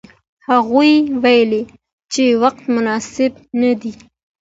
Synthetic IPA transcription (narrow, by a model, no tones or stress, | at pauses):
haɣujwajle | t͡ʃewaq̚t̪mʊnɑsɪb | nad̪i